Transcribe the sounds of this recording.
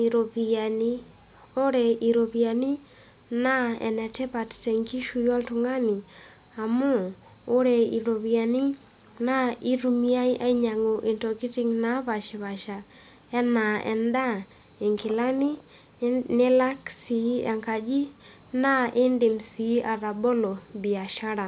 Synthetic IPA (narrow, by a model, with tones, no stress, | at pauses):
ɾo˨pi˨a˨ni˦ | o˦ɾɛ˨i˨ɾo˨pi˨a˨ni˦ | na˦ɛ̰˨nɛ˨tɛ˦pa˨ttɛ˨ŋki˦ʃu˦˨jɔ˦ltʊ˨ŋa˦ni˨ | a˨mʊː˦ | ɾɛ˨i˨ɾo˨pi˨a˨ni˦ŋ | na˦i˦ɾu˨mi˦a˦jʔa˦i˦ɲa˨ŋo˨ʔɪ˨ntɔ˨ki˦tɪ˦ŋna˦pa˨ʃɛ˨pa˨ʃa˨ | ɛ˦na˨ʔɛ̰˨nda˦ | ɪ˨ŋkɪ˨la˦ni˦ | nɪ˦la˦ksi˨˦a˨ŋka˨d͡ʒi˦ | na˦ʔɪ˦ndɪ˨msi˨˦a˨ɾa˨bɔ˦lɔ˨bi˨a˨ʃa˦ɾa˨